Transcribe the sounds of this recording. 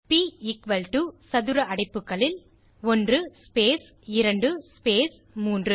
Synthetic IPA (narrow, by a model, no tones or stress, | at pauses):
piːɪkʋɐlʈusɐðɯɾɐʔɐɽɐɪpːɯkːɐɭɪl | ɔndrɯspeːs | ɪɾɐɳɖɯspeːs | muːndrɯ